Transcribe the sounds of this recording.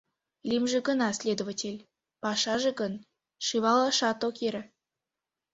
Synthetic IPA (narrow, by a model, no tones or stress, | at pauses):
lʲimʒĕɡə̆nɑsʲlʲed̪ovatʲelʲ | pɑʃɑʒĕɡɤn | ʃɨβɑlˠɑʃɑt̪okeɾə̆